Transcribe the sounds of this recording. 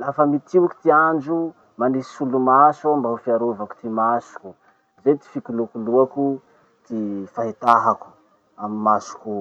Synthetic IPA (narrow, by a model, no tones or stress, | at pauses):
lafəmit̪iwki̥t̪iand͡ʒu | manisi̥sulumasambaufiaɾovaku̥t̪imasu̥kʲu | zet̪i̥fikulukuluaku | t̪ifaɦit̪aɦaku̥ | amimasu̥kʲu